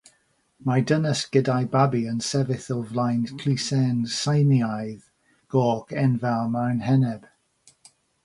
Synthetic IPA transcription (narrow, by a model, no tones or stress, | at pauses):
madənəsɡ̥ədajbabiənsɛvɪθɔvlˠajnkʰl̥isɛnsajniajð | ɡ̥ɔːɡ̥ɛnvalˠmawnɦɛnɛb̥